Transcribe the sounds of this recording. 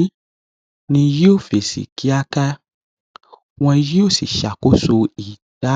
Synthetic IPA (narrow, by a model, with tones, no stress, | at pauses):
nĩ˧ji˦o˦˨fe˨sḭ˨ki˦a˦ka˦ | w̃ɔ̃˧ji˦o˦˨sḭ˨ʃa˨ko˦so˧i˨ta˦